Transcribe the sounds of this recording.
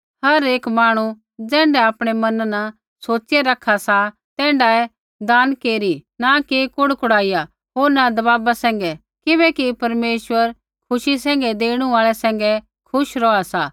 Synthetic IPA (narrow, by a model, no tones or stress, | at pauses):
hɐɾeːkmaːɽ̃u | d͡zɛ̃ːɳɖɛaːpɽ̃ɛmɐnna | soːt͡ʃɪjaɾɐkʰːasa | t̪ɛ̃ːɳɖaɛ | d̪aːnkeːɾinakekʊɽkʊɽaːija | ɦoːɾnad̪ɐbaːbasɛ̃ːŋ̆ɡɛ | kɪbɛkipɐɾmeːʃʋəɾ | kʰʊʃisɛ̃ːŋɡɛd̪eːɽ̃ũaːɭɛsɛ̃ːŋ̆ɡɛ | kʰʊʃɾɔasaː